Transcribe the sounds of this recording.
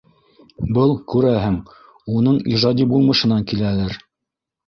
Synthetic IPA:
bɤlˠkʉɾæɦɘŋ | unɤɴiʒɑd̪ʲibulˠmɤ̆ʃɤ̆nɑŋkilælɘɾ

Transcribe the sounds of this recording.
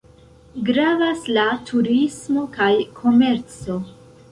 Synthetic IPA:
ɡɾavaslatʰuɾismo̞kajkʰo̞me̞ɾt͡so̞

